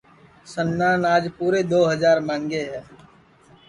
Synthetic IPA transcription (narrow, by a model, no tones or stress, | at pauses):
sənːãːnaːd͡ʒpuːɾeːd̪oːɦəd͡ʒaːɾmãːŋɡeːɦɛː